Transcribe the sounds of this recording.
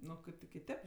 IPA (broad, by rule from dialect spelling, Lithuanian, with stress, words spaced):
ˈnʊ oː ˈkɐɪp tʲɪ kʲɪˈtʲeːp